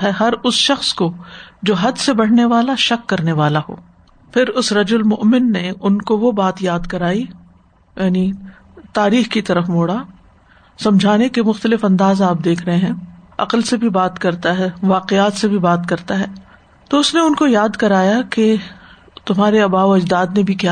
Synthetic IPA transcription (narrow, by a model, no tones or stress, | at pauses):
ɦɛɦɐɾʊsʃɐxskod͡ʒoːɦɐd̪sebɐɽ̤neʋaːlaʃɐkːɐɾneʋaːlaɦo̰ː | pʰɪɾʊsɾɐd͡ʒʊlmʊʔmɪnːeʊnkoʋobaːt̪jaːd̪kɐɾaːi | jaːni | t̪aːɾiːxkit̪ɐɾəfmoːɽa | sɐ̃md͡ʒʱaːnekemʊxt̪əlɪfɐ̃nd̪aːzaːp̚d̪eːkʰɾɐɦẽɦɛ̃ːɐ̰qəlsebʱibaːt̪kɐɾt̪aɦɛʋaːqeaːt̪sebʱibaːt̪kɐɾt̪aɦɛː | t̪oʊsneʊnkojaːd̪kɐɾaːjake | t̪ʊmɦaːɾeɐbaːoɐd͡ʒd̪aːd̪nebʱikija